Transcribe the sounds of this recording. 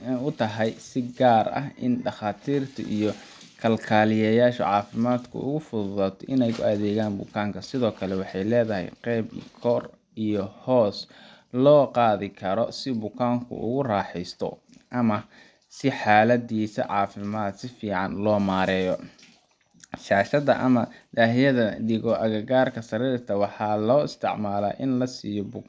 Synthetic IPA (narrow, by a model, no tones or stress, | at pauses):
ʊt̪ʰɐɦɐjsɪɡaːrɐ̰ɦɪ̰nɖɑχaːt̪ʰiːrt̪ʰɐ̰ʔijɔ | kʰɐlkʰaːlɪjɛjaːʃɐ̰ʕɑːfɪmaːd̪kʰʊ̰ʊ̰ɣʊfʊðʊðaːt̪ʰɔʔɪnɛjkʰʊ̰ɐðɛːɣaːnbʊ̰kʰaːŋkʰɐsɪðɔːkʰɐlɛwɑħɑjlɛːðɐɦɛ̰jqɛːb̰kʰɔr | ijɔhɔːs | lɔːqɑːðɪkʰɐɾɔsɪbʊkʰaːŋkʰʊ̰ʔʊ̰ɣʊraːħɛjst̪ʰɔ̰ | ʔɐmɐ | sɪħaːlɐd̪iːsɐ̰ʕɑːfɪmaːd̪sɪfiːʕɑnlɔːmaːɾɛːjɔ | ʃaːʃɐðɐʔɐmɐd̪aːɦɪjɐðɐd̪ɪɣɔʔɐɣɐɣaːrkʰɐsɐɾiːrt̪ʰɐwɑħɑːlɔːɪst̪ʰɪʕmaːla̰ːʔɪnlɐsiːjɔbʊ